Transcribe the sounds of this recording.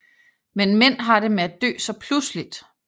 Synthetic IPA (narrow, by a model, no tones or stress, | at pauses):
menmen̰ɦɑ̈ɾ̥e̝meæd̥̚ø̰ːsɒ̽pʰluslid̥